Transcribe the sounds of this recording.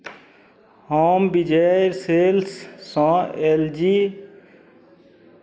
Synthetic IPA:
hoːmbid͡ʒeɾseːlsːãeːld͡ʒi

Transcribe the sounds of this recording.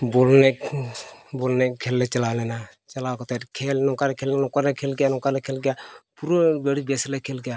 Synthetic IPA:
bolne | bolnekʰeːlːet͡ʃɐlaːlɛna | t͡ʃɐlaːkot̪ekʰelnokaɾɛkʰeːlnɔkalekʰelɡjanokalekʰelɡjapuɾobeɽibeslekʰeːlɡjaː

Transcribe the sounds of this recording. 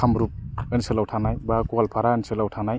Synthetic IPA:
amɾup̚ɯnsɯlawtʰanajbakualpʰaɾaɯnsɯlawtʰanaj

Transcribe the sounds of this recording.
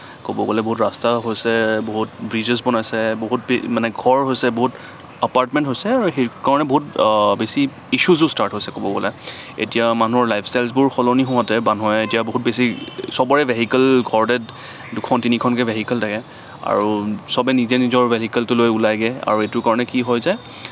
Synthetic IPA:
kobɔɡɔlɛboɦutɹastaɦojsɛboɦut̚bɹid͡ʒɛs̬bɔnajsɛboɦut̚bemanɛɡʱɔɹɦojsɛboɦut | əpaɹtmɛ̃ntɦojsɛaɹuɦekaɹɔnɛboɦut̚besiː | suzʊstaɹtɦojsɛkobɔɡɔlɛ | ḛtijaman̤uɔɹlajpʰstajlsbʊɹxɔlɔnixɔɦatɛbanɦɔjetijaboɦut̚besisɔbɔɹɛvʱeɦikɛlɡʱɔɹdɛt | dukʰɔntinikʰɔnkɛbʱeɦikɛltʰakɛ | a̰ɹusɔbɛnizɛnizɔɹbʱeɦikɛltʊlojulajɡɛa̰ɹuetʊkaɹɔnɛkiɦɔjzaj

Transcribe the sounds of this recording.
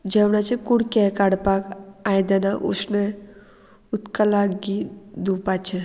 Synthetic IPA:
d͡ʒɛwnat͡ʃʰikuɽkɛkaɽpakajd̪ɛnaʔṵsne | ut̪kalaɡid̪upat͡ʃʰe

